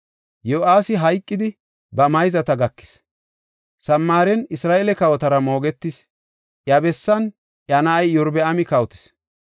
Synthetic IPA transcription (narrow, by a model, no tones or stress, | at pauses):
joʔaːsɪɦɐjkʼːɪd̪ɪ | bɐmɐjzɐt̪ɐɡɐkːɪ̥s | sɐmːaːɾɛnɪsɾaːʔɛlɛkɐwɔt̪ɐɾɐmo̞ːɡɛt̪ːɪs | ʔjɐbɛsːɐn | ʔjɐnɐːjjɔɾbɛɐmɪkɐwʊt̪ɪ̥s